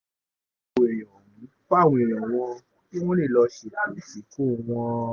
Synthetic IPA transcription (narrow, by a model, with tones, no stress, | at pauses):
e˨j̃ɔ̃˨nĩ˨˦k͡pa˦˨w̃ɔ̃˧˨e˨j̃ɔ̃˨w̃ɔ̃˧ | ki˦w̃ɔ̃˦lẽ˦˨lɔ˧ʃe˨la˨˦mi˦˨si˨˦ko˦˨w̃ɔ̃˧